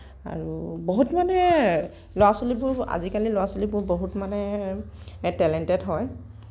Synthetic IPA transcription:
a̰ɹuboɦutmanɛ | lowasolibʊɹa̰zikalilowasolibʊɹboɦutmanɛ | tɛlɛntɛdɦɔj

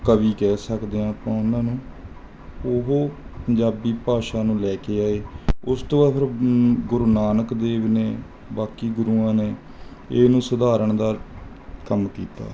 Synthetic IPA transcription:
kəʋiːkɛːsəkd̪eːãːpãːʊnãːnũː | ʊɦoːpəɲd͡ʒaːbiːpaːʃaːnũːlɛːkeːaːeːʊst̪õːaːpʰɪɾɡʊɾnaːnəkd̪eːʋneː | baːkiːɡʊɾuːãːneː | eːnũːsəd̪aːɾəɳd̪aː | kəmkiːt̪a̰ː

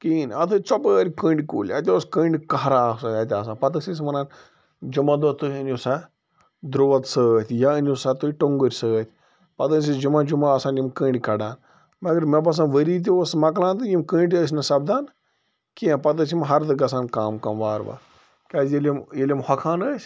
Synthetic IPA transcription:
kiːnʲɐt̪ʰɨt͡sopəːɾʲikəɳʲɖʲikuːlʲɐt̪ʲoːskəɳɖʲikɐɦɾasɐɐt̪ʲaːs̬ãːpɐt̪̬ɐsis̬mɐnaːn | d͡ʒumad̪oːt̪uənʲusa | d̪ɾoːʋɐt̪səːt̪ʰʲjaənʲusat̪uiʈoŋɡəɾʲsəːt̪ʰʲ | pɐt̪ənsid͡ʒumad͡ʒumaɐsaːnjimkə̃ːɳɖʲikɐɖaːn | mɐɡɐɾmebɐs̬ãnʋəɾiːt̪̬iosmɐklãːnt̪ɨjimkəɳɖʲəs̬ʲnɐsɐb̚d̪aːn | kĩpɐt̪̬əs̬imɦɐɾt̪ɨɡɐsaːnkaːmkɐmʋaːɾʋa̰ | kʲaːsjelʲimjelʲimhɐkʰaːnəːsʲ

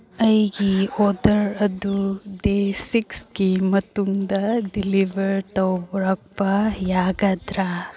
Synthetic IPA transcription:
ɐjɡioːd̪ɐɾɐd̪ud̪esikskimɐt̪ːuŋd̪ɐɖiliʋɐɾʈɐwbɾɐk̚pajaːɡad̪ɾa

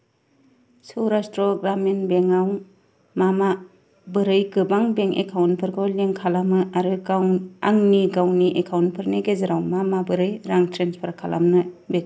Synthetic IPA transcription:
sɯwɾastɾɔɡɾamenbeŋaw | mama | bɯɾɯjkɯbaŋbeŋḛkʰawnpʰɯɾɡoleŋkʰalamɯaɾɯɡawaŋniɡawniʔekʰawnpʰɯɾneɡezɯɾawmamabɯɾɯjɾaŋtʰɾenspʰaɾkʰala̰mnɯbek

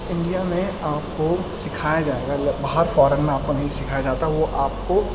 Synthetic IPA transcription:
ɪ̃ɳɖijamẽaːpkosɪkʰaːjad͡ʒaːeːɡabaːɦəɾfɔːɾənmẽaːp̚konɐɦĩsɪkʰajad͡ʒaːt̪aɦɛʋoʔaːp̚ko

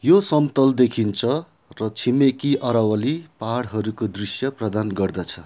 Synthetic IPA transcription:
josʌmt̪ʌld̪ekʰint͡sʰʌ | rʌt͡sʰimekiʔʌɾʌwʌlipaɽɦʌɾukod̪risjʌprʌd̪anɡʌrd̪at͡sʰʌ

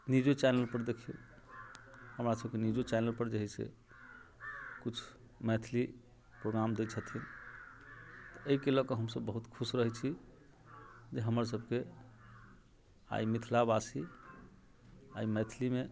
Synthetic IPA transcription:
nid͡ʒot͡ʃɛnəlpəɾd̪ekʰijo̰ | həmɾasəb̚kenid͡ʒot͡ʃɛnəlpəɾd͡ʒeɦisḛ | kut͡ʃʰ | mɛt̪ʰli | pɾoɡɾamd̪ɛt͡ʃʰət̪ʰin | t̪ɔəikelɔkəɦəmsəbːəɦut̪kʰusɾəɦɛt͡ʃʰi | d͡ʒeɦəməɾs̬əb̚ke | a̰imit̪ʰlabasi | aimɛt̪ʰlime

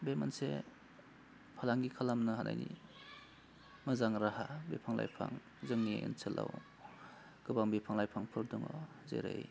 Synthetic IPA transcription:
bemansḛ | pʰalaŋɡikʰalamnɯɦanʔa̰jni | mɯzaŋɾahabepʰaŋla̰jpʰa̰ŋ | zɯŋniɯ̰nsɯlʔa̰w | ɡ̥ɯbaŋbepʰaŋlajpʰaŋpʰɯɾduŋɔ | zḛɾɯj

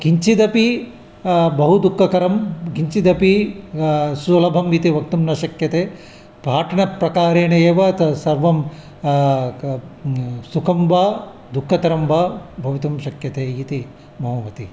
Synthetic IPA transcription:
ɡiɲt͡ʃid̪ɐpi | bɐɦud̪ukʰːɐkɐɾɐmɡiɲt͡ʃid̪ɐpi | sulɐbʱɐmit̪iʋɐk̚t̪umnɐʃɐkjɐt̪eː | bʱaːʈʰɐɳɐpɾɐkaːɾeːnɐjeːʋɐt̪sɐɾʋɐm | sukʰɐmʋaː | d̪ukʰːɐt̪ɐɾɐmbɐbʱɐʋit̪ɐmʃɐkjɐt̪eːit̪i | mɐɦɐːʋɐt̪i

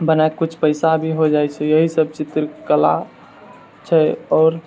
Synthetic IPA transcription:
bənaekkut͡ʃʰpəɪsabʱiɦod͡ʒajt͡ʃʰɛjəɦisəb̚t͡ʃit̪ɾkəla̰ | t͡ʃʰɛɔːɾ

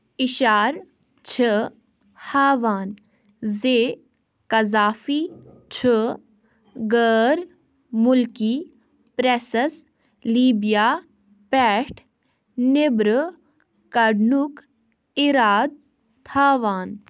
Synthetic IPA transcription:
iʃaːɾ | t͡ʃʰə | haːʋaːn | zeː | kɐzaːfiː | t͡ʃʰə | ɡəɾ | mʊlki | pɾesəs | liːbijaː | pɛːʈʰ | nebɾə | kɐɖnuk | iɾaːd̪̚ | t̪ʰaːʋaːn

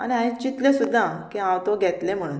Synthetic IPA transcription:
a̰ñiaɦĩt͡ɕit̪lẽsud̪ʱːakĩãwt̪oɡʱɛt̪lẽm̤əɽ̃uːn

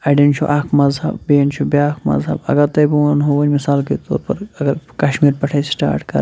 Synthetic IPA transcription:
ɐɖent͡ʃʰṵʔɐːkʰmɐzɦɐ̰bbeent͡ʃʰubiaːkʰmɐ̰zɦɐbɐ̰ɡɐɾt̪ɐjbuwanɦoʋɐɲmisaːlket̪o̰ːɾpɐɾɐɡɐɾkɐːʃmiːɾpɐʈʰajsʈa̰ːɾʈkɐ̰ɾ

